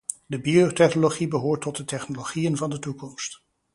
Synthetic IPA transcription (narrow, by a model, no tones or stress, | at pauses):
dəbiotɛχnoloχibəɦʊːɹtːɔt̚dətɛχnoloχijənvɑndətukɔmst